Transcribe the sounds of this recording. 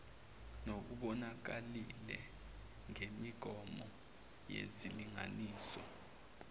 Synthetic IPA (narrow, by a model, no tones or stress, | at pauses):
nok̬uɓɔnak̬alilɛ | ŋemiɡ̥ʱɔmɔ | jḛziliŋa̰niːsɔ̰